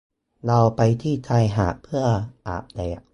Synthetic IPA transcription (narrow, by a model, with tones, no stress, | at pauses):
la˧wpa˧jt̪ʰiː˥˩t̪ʰa˧jɦa̰ː˨˩˦ʔpʰɯ˥˩ɐʔa̰ː˨˩p̚da˧˩ja˨˩